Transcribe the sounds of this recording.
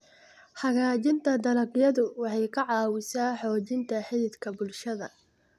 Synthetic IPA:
ħɑɣaːt͡ʃɪnt̪ʰɐd̪ɐɾɐɡjɐðʊwɑħɑjkʰɐʕɑːwɪsaːħɔːt͡ʃɪnt̪ʰɐħɪðɪd̪kʰɐbʊlʃɐðɐ

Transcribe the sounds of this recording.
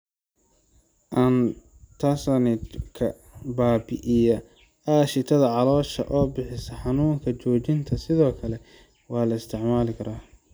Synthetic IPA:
ʔɐn | t̪ʰɐsɐnɪkʰɐ | baːbɪ̰ʔijɐ | aːʃɪt̪ʰɐðɐʕɑlɔːʃɐ̰ʔɔːbɪħɪsɐħɑnuːŋkʰɐt͡ʃɔːt͡ʃɪnt̪ʰɐsɪðɔːkʰɐlɛ | wɑːlɐɪst̪ʰɪʕmaːlɪkʰɐɾaː

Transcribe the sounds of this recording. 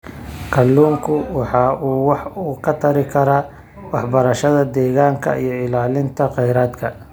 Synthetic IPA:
kʰɐlːuːŋkʰʊwɑħɑːuːwɑħuːkʰɐt̪ʰɐɾɪkʰɐɾa | wɑħbɐɾɐʃɐðɐd̪ɛːɣaːŋkʰɐ̰ḭjɞɪlaːlɪnt̪ʰɐqɛjɾaːd̪kʰɐ

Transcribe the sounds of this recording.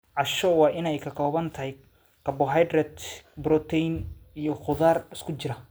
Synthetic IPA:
ʕɑʃɔwɑːʔɪnɛjkʰɐkʰɔːβɐnt̪ʰɐɦɛj | kɐbɔɦajd̪rɛd̪bɾɔt̪ʰɛjnijɔχʊðaːrɪskʰʊt͡ʃɪɾɐ

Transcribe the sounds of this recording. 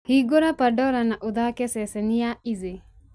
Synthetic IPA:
hiɡoɾapəɖɔɾanaʔud̪akesesenijaize

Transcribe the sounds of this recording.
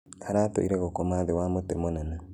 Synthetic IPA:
aɾaːto̰iɾeɣokomaðewamotemonana

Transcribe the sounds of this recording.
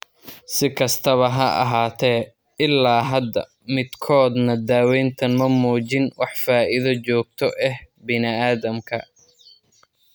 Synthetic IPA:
sɪkʰɐst̪ʰɐβɐɦɐʔɐ̰ɦaːt̪ʰɛː | ɪlːaːɦɐd̪ːɐ̰ | mɪd̪kʰɔːd̪nɐd̪aːwɛːnt̪ʰɐnmɐmuːt͡ʃɪnwʔɑħfaːʔɪðɐt͡ʃɔːɡ̚t̪ʰɔʔɛh | bɪnɪaːðɐmkʰɐ

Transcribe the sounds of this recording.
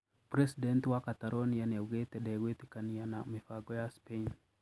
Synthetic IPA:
pɾesident̪wakat̪aɾonijanawɡet̪ɛɗɛwet̪ikanijanamifaɡɔjaspen

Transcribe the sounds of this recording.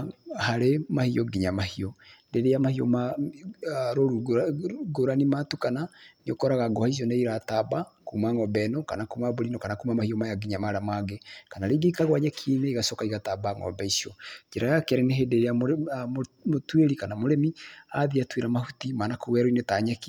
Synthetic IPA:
haɾemahiɔɡiɲamahiɔdeɾejamahiɔ̰ma | ɾoɾu | ɡoɾanimatukananokɔɾaɣaɡɔhais̬ɔneiɾatabakuːmaŋɔbɛnɔkanakumaboɾinɔkanakumamahijɔmajaɡiɲamaɾamaɡekanaɾeɡeikaɣwaɲakʰineiɣasokaiɣatabaŋɔ̰bɛisiɔd͡ʒɛɾajakɛɾɛneɦedeɾeamo | motweɾikanamoɾemiaðiatweɾamahutimanakowɛɾɔinetaɲaki

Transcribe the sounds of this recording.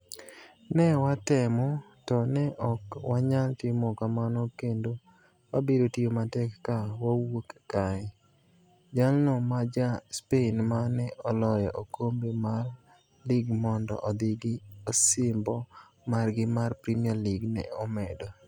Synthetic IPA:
nɛwatɛmɔ | tɔnɛʔɔkwaɲaltɪmɔkamanɔkendo | wabedotijomatɛkːawawokkaɪ | d͡ʒalnɔmad͡ʒaspenmanɛʔɔlɔjaʔokombemar | liɡmɔndɔ̰ʔɔd̪ɪɡɪosɪmbɔ | marɡɪmarpɾimialiɡnɛ̰ɔmɛdɔ

